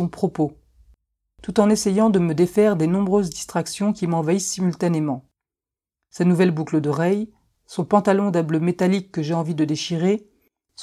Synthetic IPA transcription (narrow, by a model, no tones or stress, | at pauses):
ɔ̃pχɔpo | t̪ut̪ɑ̃nesejɑ̃d̪əməd̪efɛʁd̪enɔ̃bʁøzd̪ist̪χaksjɔ̃kʲimɑ̃vaisːimylt̪anemɑ̃ | sanuvɛlbukləd̪əʁɛj | sɔ̃pɑ̃t̪alɔ̃d̪ablømet̪alikːəʒeɑ̃vid̪əd̪eʃiʁe | s